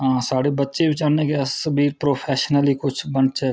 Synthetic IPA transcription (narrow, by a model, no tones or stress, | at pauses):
ɦãːsaːɽebətːʃebɪt͡ʃaːɾnekeəbʱiːɾpɾoːpʰɛːʃnəlikʊt͡ʃʰbənt͡ʃɛː